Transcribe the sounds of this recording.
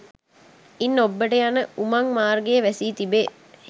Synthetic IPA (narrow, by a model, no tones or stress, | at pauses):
inːobːəʈəjanəumaŋmaːrɡejəʋæsiːt̪ibe